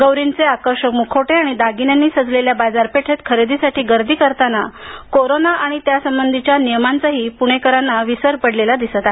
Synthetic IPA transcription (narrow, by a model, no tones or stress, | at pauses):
ɡəwɾint͡seakəɾʂəkmukʰoʈeaɽ̃id̪aɡinjanːiːsəd͡zleljabad͡zaɾpeʈʰet̪kʰəɾed̪isaʈiːɡəɾd̪ʱiːkəɾt̪anakoɾonaaɽ̃it̪jasəmbənd̪ʱit͡ɕjanijəmant͡saɦiːpuɽ̃ekəɾanːaʋisəɾpəɽlelad̪isət̪a